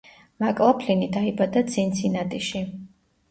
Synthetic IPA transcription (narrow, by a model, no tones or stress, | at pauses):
makʼlˠapʰlinid̪aibad̪ad̪sʰint̪sʰinad̪ʼiʃi